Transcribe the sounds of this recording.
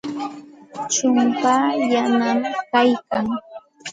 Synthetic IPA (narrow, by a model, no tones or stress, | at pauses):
t͡ʃʊmpaːjanamkajkaŋ